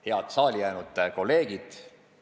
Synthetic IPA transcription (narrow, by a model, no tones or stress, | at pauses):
he̞ɑt̪sɑːlʲijæːnud̪̥ko̞lːe̞ːɡ̥id̪̥